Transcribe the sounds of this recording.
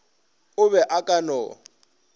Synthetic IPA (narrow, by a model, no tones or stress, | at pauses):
ʊβɛʔakʼanɔː